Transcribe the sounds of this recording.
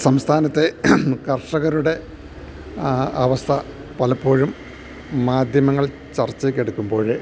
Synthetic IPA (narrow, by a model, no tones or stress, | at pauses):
sɐmst̪ʰaːnɐt̪ːe̞kɐrʂɐɣɐɾuɽe̞ | ɐʋɐst̪ʰɐ | pɐlɐpːo̞ːɻumː | aːd̪ʱjɐmɐŋːɐɭ | t͡ɕɐrt͡ɕːekʲːeɽukːumbo̞ːɻɨ